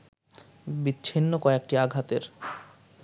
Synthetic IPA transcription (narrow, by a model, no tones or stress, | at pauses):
bitːɕʰinːokoek̚ʈiaɡʱat̪eɾ